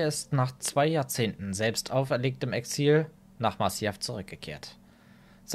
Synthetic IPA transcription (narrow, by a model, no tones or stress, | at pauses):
ɪstnaːχt͡sv̥aɪjaːɐt͡seːntn̩zɛlpstʰʔaʊfɛɐleːk̚təmɛksiːl | naːχmasjɛft͡suʁʏk̚ɡ̥əkʰḛːɐt | z̥